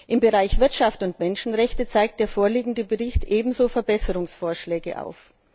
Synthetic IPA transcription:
ʔɪmbəʁaɪçv̥ɪɐtʃaftʊntmɛnʃn̩ʁɛçtət͡saɪk̚t̚d̥eːɐfoːɐliːɡŋ̩dəbəʁɪçtʔeːbm̩zoːfɛɐbɛsəʁʊŋsfoːɐʃlɛːɡəʔa̰ʊf

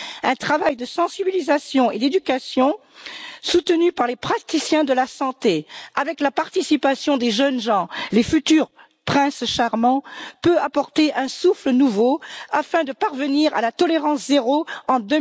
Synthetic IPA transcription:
ɛ̃t̪χavajd̪əsɑ̃sibilizasjɔ̃ed̪ed̪ykasjɔ̃ | sut̪ənypaʁlepχat̪isjɛ̃d̪əlasɑ̃t̪eavɛklapaʁt̪isipasjɔ̃d̪eʒənʒɑ̃lefyt̪yʁ | pχɛ̃sʃaʁmɑ̃pøapɔʁt̪eʔɛ̃suflənuvoafɛ̃d̪əpaʁvəniʁa̰lat̪ɔleʁɑ̃szeʁoɑ̃d̪ə

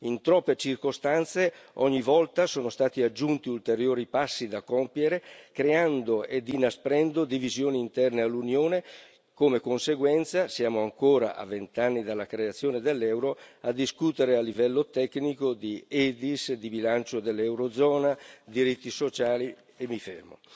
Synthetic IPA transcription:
int̪ɾɔpːet͡ʃirkost̪ant̪seɔɲːivɔlt̪asoːnost̪aːt̪iad͡ʒːunt̪iult̪eɾjoːɾipasːid̪akːɔmpjeɾekɾeand̪oʔed̪inaspɾɛnd̪od̪ivizjoːniːnt̪ɛrnealːunjoːne | komekonseɡwɛnt̪sasjaːmoaŋkoːɾa̰ʔa̰vːent̪anːid̪alːakɾeat̪sːjoːned̪elːɛwɾoad̪iskut̪eɾealːivɛlːot̪ɛknikod̪iɛd̪isd̪ibilant͡ʃod̪elːɛwɾod̪zɔːnad̪iɾit̪ːisot͡ʃaːli | emːifermo̰

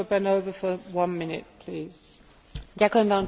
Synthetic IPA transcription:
bɛ̃noʊvəfəwʌ̃nmɪnɪ̰t̚pʰl̥iːz̥ | jakõmvãn

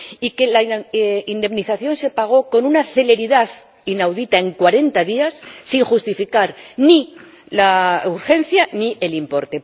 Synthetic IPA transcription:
ike̞laind̪e̞mniθaθjo̞nse̞paɣ̞o̞ko̞nunaθe̞le̞ɾiðað | inawðit̪ae̞ŋkwaɾe̞nt̪aðiasːiŋxust̪ifikaɾni | lauɾxe̞n̟θjanie̞limpo̞ɾt̪e̞

